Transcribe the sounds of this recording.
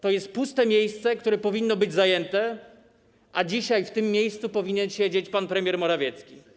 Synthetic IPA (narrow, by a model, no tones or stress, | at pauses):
t̪ɔjɛst̪̚pust̪ɛmʲjejst̪sɛkt̪uɾɛpɔvʲinːɔbɘd͡ʑzajɛnt̪ɛ | ʔad͡ʑiɕajft̪ɘmːʲjejst̪supɔvʲiɲɛnɕed͡ʑet͡ɕpanpɾɛmʲjɛɾmɔɾavʲjɛt̪skʲi